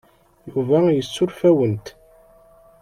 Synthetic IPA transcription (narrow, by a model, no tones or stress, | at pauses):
juvæjət͡sːʊɾfæwənt̪